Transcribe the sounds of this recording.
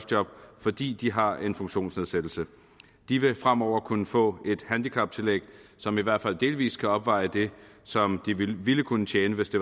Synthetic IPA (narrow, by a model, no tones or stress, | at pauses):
sd̥jɒ̽b̥fɒ̽d̥ḭːd̥iɦɑ̈e̝nfɔ̽ŋɕo̝̰ːnsne̝ð̞ˠsed̥l̩sə | d̥iʋe̝fʁam̰ɒʊ̰ɐkʰunəfɔ̰̽ːe̝d̥hænd̥ikʰɑ̈b̥̚t͡sʰe̝lḛɡ̥sɒ̽miʋæɐ̰d̥fæl̰d̥e̝ːlʋḭːskʰæɒ̽b̥ʋɑ̈ɪəd̥e̝sɒ̽md̥iʋiləkʰunət͡ɕʰjeːnəʋe̝sd̥e̝